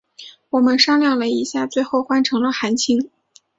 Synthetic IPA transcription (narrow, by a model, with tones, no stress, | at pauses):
wɔ˨˩mə˦nʂɑ˥ŋljɑ˥˩ŋlə˩i˧˥ɕja˥˧t͡swe˥˧ɪxo˥˩ʊxwa˥nʈ͡ʂʰɤ˧˥ŋlə˧xa˧˥nt͡ɕʰi˥ŋ